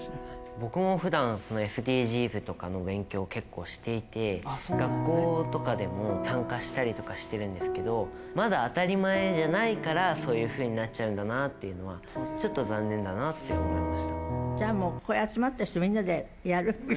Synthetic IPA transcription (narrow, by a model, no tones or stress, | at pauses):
bo̞kɯ̟mo̞ɸɯ̟d̪ãɰ̃so̞no̞e̞sɨd̪ʲiːʑiːzɨt̪o̞ka̰no̞bẽ̞ŋkʲo̞ːke̞kːo̞ːɕi̥t̪e̞it̪e̞ɡakːo̞ːt̪o̞kad̪e̞mo̞sãŋkaɕi̥t̪aɾʲit̪o̞kaɕi̥t̪e̞ɾɯ̟̃nd̪e̞sɨ̥ke̞d̪o̞ | mad̪aːt̪aɾʲimae̞ʑanaikaɾaso̞ːjɯ̟ːɸɯ̟ːɲ̟inat͡ɕ̚t͡ɕaɯ̟̃nd̪anat̪ːe̞jɯ̟no̞β̞a | t͡ɕo̞t̪ːo̞zãnːẽ̞nd̪anat̪ːeoinaɾʲimaɕi̥t̪ad͡ʑaːmo̞ːkoeat͡simat̪ːai̥t̪omʲĩnːad̪e̞ | jaɾɯ̟